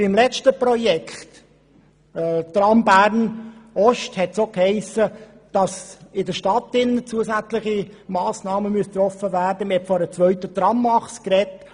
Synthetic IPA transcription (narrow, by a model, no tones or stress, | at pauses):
ɪmlɛt͡stəpɾɔjɛkʰχt | t̪rɑmbæːɾnɔʃthɛtsoːkhɛɪsə | d̥ɑsɪdəʃtɑt̪ɪnːət͡suəsæt͡slɪχimɑːsnɑːməmyəst̪rɔfəvæːɾdəməhɛtfɔdət͡sʋœʏtət̪rɑmːɑχskrɛt